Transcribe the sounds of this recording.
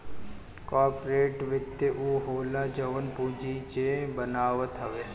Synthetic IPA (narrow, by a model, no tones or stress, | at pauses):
kaːɾpɾeːʈʋɪt̪ːeʔuɦoːlad͡ʒəʋənpũːd͡ʒit͡ʃebənaːʋət̪ɦəʋeː